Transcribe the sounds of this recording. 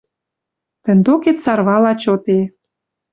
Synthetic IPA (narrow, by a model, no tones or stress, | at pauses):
t̪ə̆nd̪oket̪sɑrβɑlɑt͡ɕot̪e